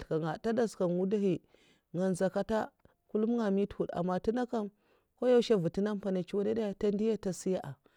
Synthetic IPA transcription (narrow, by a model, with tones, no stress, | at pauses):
ka˨ŋa˨ta˦da˦ska˨nwu˦da˦hi˨ | ŋa˨nza˨ka˦ta˦ | ku˦lu˦mŋa˨mi˦thu˨da̰˨mːa˨ti˦na˦ka˦m | ko˦ja˦ʃa˦vu˨ti˦na˦m˦pa˨na˨t͡ʃi˦wa˦na˦da˦ja˦ta˦ndi˦ja˦ta˨si˦ja˦ʔa˨